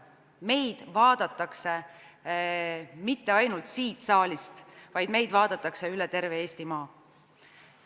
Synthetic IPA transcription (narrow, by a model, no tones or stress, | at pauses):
me̞jd̪̥vɑːd̪̥ɑt̪ːˑɑkse | mit̪ːe̞ɑjnult̪siːt̪sɑːlʲist̪vɑjd̪̥me̞jd̪̥vɑːd̪̥ɑt̪ːˑɑkse̞ylet̪e̞rve̞eːst̪imɑː